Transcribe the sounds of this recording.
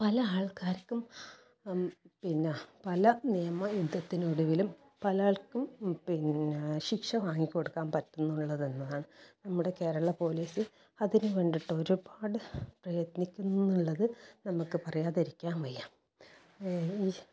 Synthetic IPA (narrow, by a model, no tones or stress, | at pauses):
pɐlɐaːɭkaːɾkːum | pinːepɐlɐnijɐmɐjud̪ʱːɐt̪ːinuɽuʋilum | pɐlɐaːɭkumpinɕikʂɐʋaːŋːikʲːo̞ɽukːaːnpɐtːunːuɭːɐðe̞nːɐðaːɳɨnɐmːuɽe̞ke̞ːɾɐɭːɐpo̞ːliːsɨ | ɐðinɨʋeɳɖiʈːɐo̞ɾubaːɽɨprɐjɐt̪nikʲːunːuɭːɐðɨnɐmukːɨpɐrɐjaːðeɾikʲːaːnʋɐjːaːm | iː